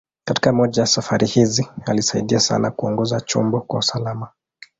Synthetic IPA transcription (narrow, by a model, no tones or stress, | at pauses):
kati̥kamɔʄajasafaɾihizialisaiɗiasa̰nakuɔŋɡɔzat͡ʃɔ̰mbɔkwausalama